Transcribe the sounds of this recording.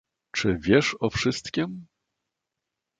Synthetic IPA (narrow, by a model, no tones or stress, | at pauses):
t͡ʂɘvʲjɛʂɔfʂɘst̪kʲim